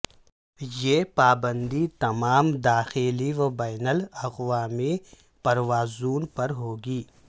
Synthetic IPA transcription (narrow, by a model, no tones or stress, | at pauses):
jeːpaːbə̃nd̪it̪ɐmaːmd̪aːxeliʋɐbaːɪnəlɐɣʋaːmi | pɐɾʋaːzuːnpɐɾɦoːɡiː